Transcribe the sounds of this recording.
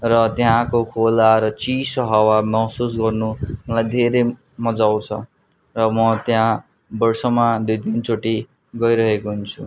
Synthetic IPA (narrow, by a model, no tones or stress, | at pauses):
rʌt̪jãkokʰolaɾʌt͡sisʌɦawamʌɦsus̬ɡʌrnumʌlajd̪ʱeɾe | mʌd͡zawt͡sʰʌ̰ | rʌmʌt̪jã | bʌrsʌmad̪ujd̪ʱint͡soʈi | ɡʌjɾʌɦekoɦunt͡sʰu